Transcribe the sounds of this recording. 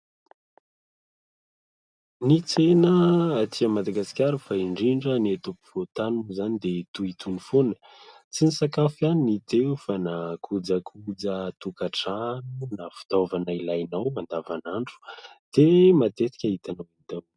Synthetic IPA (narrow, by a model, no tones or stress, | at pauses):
nit͡senəːt̪ʰiamad̪aɡasi̥kʲaɾəfaiɳɖ͡ʐiɳɖ͡ʐənet̪upi̥v̥ot̪anunuzanid̪et̪uit̪unifonə̥ | t͡sinisakafaninit̪efanakʰud͡zakʰud͡zət̪ukaʈ͡ʂanunafu̥d̪ovanailajnawmand̪avanaɳɖ͡ʐu̥d̪̥emat̪et̪i̥kʲaɦit̪anawid̪aw